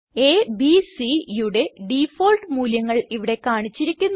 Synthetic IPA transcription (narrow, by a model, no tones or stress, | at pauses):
e̞ːbisijuɽe̞ɖifoːlʈɨmuːljɐŋːɐɭiʋiɽe̞kaːɳit͡ɕːiɾikʲːunː